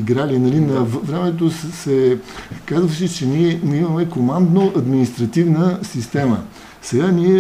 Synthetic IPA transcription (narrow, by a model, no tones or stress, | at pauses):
iɡɾalinɐlinɐvɾɛmɛt̪ossɛkazvəʃɛt͡ʃɛnʲiɛiməmɛkomand̪noʔɐd̪minist̪ɾɐt̪ivnəsist̪ɛmə̰ | sɛɡaniɛ